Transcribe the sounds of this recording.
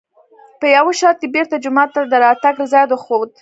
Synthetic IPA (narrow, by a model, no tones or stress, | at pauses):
pəjawoʃɑt̪̚ɡebeɾt̪ad͡ʒʊmɑt̪ːad̪əɾɑt̪aɡləzɑjd̪wəxod̪̚